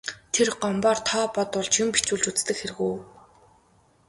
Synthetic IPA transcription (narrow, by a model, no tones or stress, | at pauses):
t̪ʰerɢɔmpɔːrt̪ʰɔːpɔt̪ʊɮt͡ɕʰimpit͡ɕuːɮt͡ɕut͡st̪ɘ̆kxerɘ̆ɣuː